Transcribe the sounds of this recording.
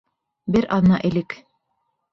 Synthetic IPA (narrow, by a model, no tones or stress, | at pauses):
bɘɾʔɑðnɑʔɘ̆lɘk